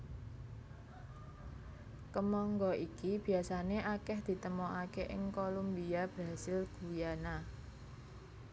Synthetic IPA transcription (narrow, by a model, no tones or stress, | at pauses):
kəmɔŋɡɔʔikib̥i̤asaneʔakɛhd̪̥i̤t̪əmɔakeʔɪŋkolumbiab̥ɾa̤sɪlɡ̥ujana